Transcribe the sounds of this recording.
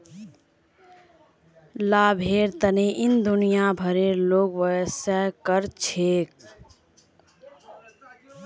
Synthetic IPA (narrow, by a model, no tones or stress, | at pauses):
laːbʱeːɾt̪əneʔɪnd̪unijabʱəɾeːɾloːɡwəsəkəɾt͡ʃʰeːk̚